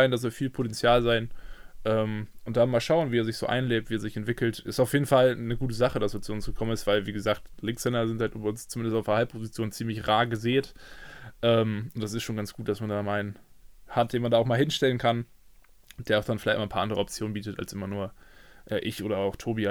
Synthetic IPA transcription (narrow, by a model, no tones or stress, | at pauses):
aɪndas̬ɔːfiːlpʰotɛnt͡sjaːlzaɪnʔɛːmʔʊnt̚d̥anmaːlʃaʊənviːɛːɐzɪçz̥o̰ːʔa̰ɪnleːp̚tv̥iːɛɐzɪçɛntv̥ɪkl̩tʔɪstaʊfjeːdn̩falnəɡuːtəzaχədaseːɐt͡suʊnsɡ̥əkʰɔmənɪstv̥aɪlviːɡəzaːktlɪŋksɛnɐzɪnthaltʔːbɐʊnst͡sumɪndəstaʊfahalp̚pʰozit͡sjoːnt͡siːmlɪçʁaːɡəzeːtʔɛːmʊnd̥as̬ɪstʃoːnɡant͡sɡ̥uːt̚d̥asmandaːmaɪnənhat̚d̥eːnmandaːʊxmaːlhɪnʃtɛlənkʰan | d̥eːɐaʊxd̥anfɪlaɪtmaːnpʰaɐʔandəʁəɔpt͡sjoːnbiːtəta̰lsʔɪmɐnuːɐʔɛːʔɪçʔoːɾɐaʊxtʰoːbia